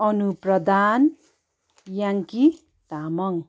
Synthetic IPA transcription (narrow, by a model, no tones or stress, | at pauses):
ʌnuprʌd̪an | jaŋki | t̪amʌŋ